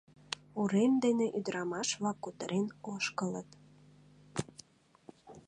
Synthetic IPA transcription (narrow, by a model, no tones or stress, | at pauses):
uɾemd̪eneʔyd̪əɾɑmɑʃβlɑkːut̪əɾʔenoʃkələ̰t̪